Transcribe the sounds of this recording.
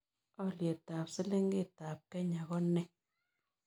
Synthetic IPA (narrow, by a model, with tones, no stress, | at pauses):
ɔ˦lje˨ta˨psɪ˦lɪ˦ŋɡɪ˦˨ta˨p̚kɛ˦ɲa˨ɣɔ˦nɛ˦